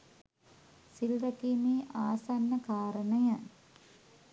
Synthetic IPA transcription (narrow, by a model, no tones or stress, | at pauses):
silrɐkiːmiːʔaːsanːəkaːɾənəjə